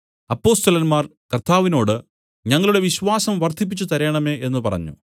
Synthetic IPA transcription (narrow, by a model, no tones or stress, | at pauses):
ɐpːo̞ːst̪ɐlɐnmaːrkɐrt̪ʰːaːʋino̞ːɽɨ | ɲɐŋːɐɭuɽe̞ʋiɕʋaːsɐmʋɐrt̪ip̬ːit͡ɕːut̪ɐɾeːɳɐme̞ːe̞nːɨpɐ̰rɐ̰ɲːṵ